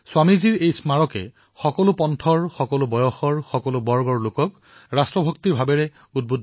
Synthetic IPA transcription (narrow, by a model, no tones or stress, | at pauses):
swamiziɹejsmaɹɔkɛ̰ | xɔkɔlʊpɔntʰɔɹxɔkɔlʊbɔjɔxɔɹxɔkɔlʊbɔɹɡɔɹlʊkɔk | ɹastɹɔbʱɔk̚tiɹbʱabɛɹɛ | ud̚bud